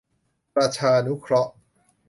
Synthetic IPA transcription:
pɾaː˧t͡ɕʰaː˧nu˦˥kʰɾɔ˦˥ʔ

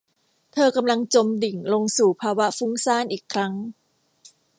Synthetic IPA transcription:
t̪ʰɤː˧ka˧mla˧ŋt͡ɕo˧mdi˨˩ŋlo˧ŋsuː˨˩pʰaː˧wa˦˥fu˦˥ŋsaː˥˩nʔiː˨˩kʰːɾa˦˥ŋ

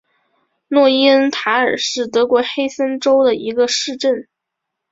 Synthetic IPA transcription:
nwɔ˥˩i˥ə˥nt̪ʰa˧˥ə˞˨˩ʂɻ̩˥˩t̪ɤ˧˥kwɔ˧˥xe˥ɪsə˥nʈ͡ʂo˥ʊd̪ə˨i˧˥ɡə˧ʂɻ̩˥˧ʈ͡ʂə˥˩n

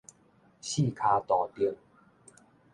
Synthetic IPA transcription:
ɕi˥˨kʰa˧t̪ɔ˨˩t̪i˥˧˦ŋ

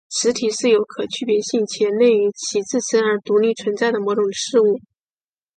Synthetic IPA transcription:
ʂɻ̩˧˥t̪ʰi˨˩ʂɻ̩˥˩jo˧˥ʊkʰɤ˨˩t͡ɕʰy˥˩pjɛ˧˥ɕi˥˩ŋt͡ɕʰjɛ˧˥nle˥˩ɪy˧˥t͡ɕʰi˧˥t͡sɹ̩˥˩sə˥nə˞˧˥t̪u˧˥li˥˩t͡sʰwə˧˥nt͡sa˥˩ɪd̪ə˩mwɔ˧˥ʈ͡ʂʊ˨˩ŋʂɻ̩˥˧u˥˩

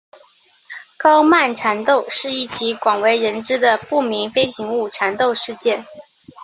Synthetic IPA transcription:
kɑ˥ʊma˥˩nʈ͡ʂʰa˧˥nt̪o˥˧ʊʂɻ̩˥˧i˥˩t͡ɕʰi˧˥kwɑ˨˩ŋwe˧˥ɪɻə˧˥nʈ͡ʂɻ̩˥d̪ə˨pu˥˩mi˧˥ŋfe˥ɪɕi˧˥ŋu˥˩ʈ͡ʂʰa˧˥nt̪o˥˧ʊʂɻ̩˥˧t͡ɕjɛ˥˩n

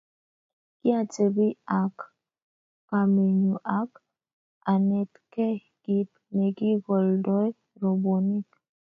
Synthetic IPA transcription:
ki˦a˨te˨bi˦a˨kː | a˨me˨ɲu˨ʔa˨˦k | a˨nɛ˨tkɛ˦ | ɡ̥i˨t̚ | nɛ˨ki˦ɡɔ˨ldɔ˦j | ɾɔ˨bo˨ni˦k

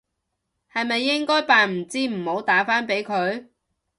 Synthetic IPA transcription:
hɐ˨jmɐ˨jːɪ˥ŋkɔː˥jpaː˨nm̩˨˩t͡siː˥m̩˨˩ho˨˥wt̪aː˨˥faː˥npe˨˥jkʰɵ˨˧ɥ

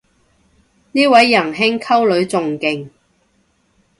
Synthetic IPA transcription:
niː˥wɐ˨˥jːɐ˨˩nɦɪ˥ŋkʰɐ˥wlɵ˨˧ɥt͡sʊ˨ŋkɪ˨˩ŋ

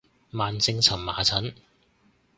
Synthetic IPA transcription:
maː˨nsɪ˧ŋt͡sʰɐ˨˩mma̰ː˨˩t͡sʰɐ˨˥n

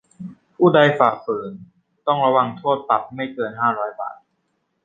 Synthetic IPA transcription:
ʔuː˥˩da˧jfaː˨˩fɤː˨˩˦n | t̪ɔ˥˩ŋɾa˧wa˧ŋt̪ʰoː˥˩t̪ːa˨˩p̚ma˥˩jkɤː˧nɦaː˥˩ɾɔː˦˥jba̰ː˨˩t̪̚

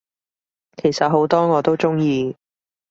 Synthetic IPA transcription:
kʰe˨˩jsɐ˨t̚ɦo˨˥wt̪ɔː˥ŋɔː˨˧t̪o˥wt͡sʊ˥ŋjiː˧

